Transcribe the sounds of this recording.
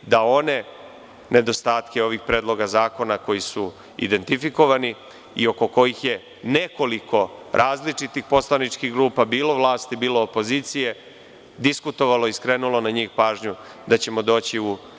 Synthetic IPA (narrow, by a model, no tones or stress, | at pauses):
d̪ao̞ne̞ | ne̞d̪o̞st̪aːt̪ke̞o̞ʋixpɾeːd̪lˠo̞ɡazaːko̞nako̞jisu | ḭd̪e̞nt̪ifiko̞ʋani | io̞ko̞ko̞jixje̞ | ne̞ko̞liko̞ɾʔaːzlit͡ʂit̪ixpo̞slˠanit͡ʂkiɣɡɾuːpabiːlo̞ʋlˠaːst̪ibiːlo̞ːpo̞ziːt̪sije̞ | d̪iskut̪o̞ʋalo̞iskɾeːnulo̞naɲiːxpaːʒɲu | d̪at͡ɕe̞mo̞d̪o̞ːt͡ɕiu